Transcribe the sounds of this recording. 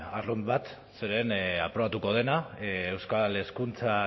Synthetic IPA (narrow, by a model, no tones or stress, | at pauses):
arumbat̪ | seɾe̞na̰pɾo̞βat̪uko̞ð̞e̞naewskale̞skunt͡sa